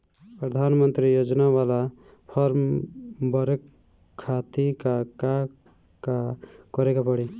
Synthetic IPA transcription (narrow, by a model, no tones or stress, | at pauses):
pɾʌd̪ʱanmənt̪ɾijod͡ʒnawala | pʰɔɾmbʌɾekʰː | at̪ikaka | kakʌɾekapʌɽi